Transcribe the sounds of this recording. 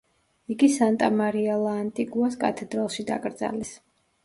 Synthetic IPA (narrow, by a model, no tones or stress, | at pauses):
iɡisant̪ʼamaɾialˠaːnt̪ʼiɡuaskʼa̰t̪ʰɛd̪ɾalˠʃid̪a̰kʼɾd̪za̰lɛs